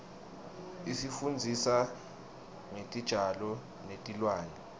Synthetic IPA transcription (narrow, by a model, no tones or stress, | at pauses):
isifund͡zʱisa | ŋetʼid̥ʒ̥ʱalɔ | netʼilwaːnɛ